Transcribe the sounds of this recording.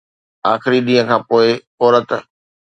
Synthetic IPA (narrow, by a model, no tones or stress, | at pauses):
aːxɪɾiɗĩːɦə̃kʰãːpoːɪ | ɔːɾət̪